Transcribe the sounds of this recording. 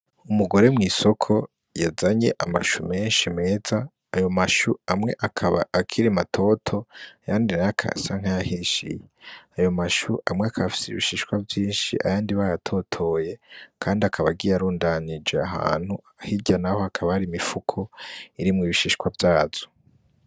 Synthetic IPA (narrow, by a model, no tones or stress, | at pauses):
umuɡo̞ɾe̞mŋiːso̞kʰo̞ | jazaɲe̞̰ʔama̰ʃume̞ːnʃime̞ːza | ajo̞maʃuamŋe̞ʔakʰaβa̰ːkʰiɾimatʰo̞tʰo̞ajaːndinajakʰa̰saŋ̥ajahiʃḭjeajo̞maʃuʔamŋeakʰaβafi̥siḭβiʃiʃkwavjiːnʃḭʔa̰jaːndiβajatʰo̞tʰo̞je̞kʰaːndiakʰaβaɡiːjaɾuːndanid͡ʒe̞aɦa̰ːn̥huahiɟanaho̞akʰaβahaɾimifukʰoiɾimŋiːβiʃiʃkwavjaːz̥o̥